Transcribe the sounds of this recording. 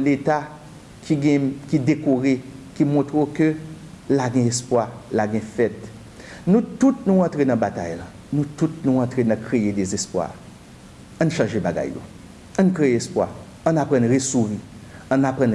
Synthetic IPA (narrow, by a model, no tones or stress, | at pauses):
let̪a | kʰiɡɛ̃kid̪ekoʁekimɔ̃t̪ʁokø | laɡɛ̃espwalaɡɛ̃fɛt̪ | nũt̪ut̚nũãt̪ʁenɐ̃bat̪ajlã | nũtutnũãt̪ʁenãkʁejedezespwa̰ | ɐ̃nʃãʒebaɡa̰jːo̰ | ɐ̃nũkʁejeespwa̰ | ɐ̃napʁɐ̃nʁesuʁiãnapʁɑ̃n